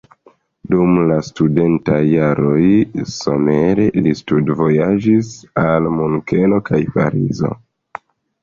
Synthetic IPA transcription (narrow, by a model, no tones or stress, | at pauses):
dumlastude̞ntajːaɾo̞jso̞me̞ɾelistudvo̞jad͡ʒisalmunke̞no̞kʰajpa̰ɾḭzo̞̰